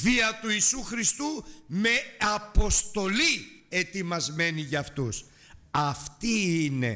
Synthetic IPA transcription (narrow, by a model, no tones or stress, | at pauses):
viɐt̪uiːsuxɾist̪ume̞ɐpo̞st̪o̞lie̞t̪imɐzme̞niʝɐːft̪us | ɐft̪iine̞̰